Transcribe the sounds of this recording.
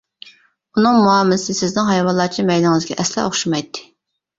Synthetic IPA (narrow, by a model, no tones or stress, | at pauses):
unɨŋmuɑːmsɪsɪznɪŋɦɑjwɑlˠːɑːt͡ʃʰimɛjlɪŋɨzɡʲɛ̰ʔɛslɛ̰oχʃumɑjt̪ʰːɪ̥